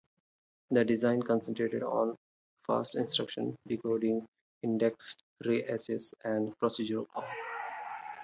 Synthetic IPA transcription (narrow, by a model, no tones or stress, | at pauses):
d̪əɖɪzãɪ̃nkɔ̃nsə̃nʈɾeːʈeɖɔ̰̃ːn | fa̰ːsʈɪ̃nsʈɾʌkʃə̰̃nɖikoːɖɪ̃ŋɡ | ɪ̃ɳɖeksʈ | ɾeʔesesæ̃ɳɖpɾɔsid͡ʒəɾəlkɔ